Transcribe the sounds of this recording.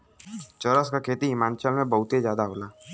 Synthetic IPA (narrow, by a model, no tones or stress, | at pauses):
t͡ʃəɾəskakʰeːt̪iɦɪmaːnt͡ʃəlmẽbəɦʊt̪ezjaːd̪aɦoːlaː